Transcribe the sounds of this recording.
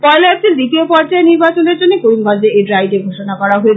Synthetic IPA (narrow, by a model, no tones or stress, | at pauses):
fɔeleɛt͡ɕild̪it̪iopɔɾd͡ʑaeniɾbat͡ɕoneɾd͡ʑonːekoɾimɡʱɔnd͡ʑeeɖɾajʈeɡʱoʃonakɔɾaɦoet͡ɕʰ